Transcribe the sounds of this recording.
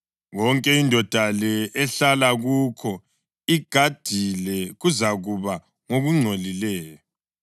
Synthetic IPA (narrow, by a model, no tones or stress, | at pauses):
ɣɔŋkʼɛindʱɔd̥ʱalɛɛɬalaɣuːkʰɔ | iɡ̥ʱad̥ʱilɛɣuzaɣuβa | ŋoɣuŋ͡ǀʱolilɛːjɔ